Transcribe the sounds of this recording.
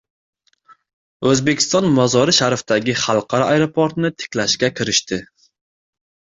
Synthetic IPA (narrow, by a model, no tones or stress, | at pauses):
ɵzbɪkʲʰi̥st̪ɑnmɑzɒɾɨʃæɾft̪æɡʲiχalˠqʰɑɾɒɑjɾopʰoɾt̪nɪt̪ʰɪ̥kʲlæʃkʲɛkʲʰiɾɪʃt̪ɪ